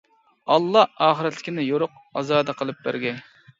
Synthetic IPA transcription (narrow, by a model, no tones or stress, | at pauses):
ɑlˠːɑɑːχəɾɛt̪lɪ̥kʲʰinɪjoɾʊq̚ | ɑzɑːd̪ɑqʰəlˠɨp̚bæ̰ɾɡʲɛ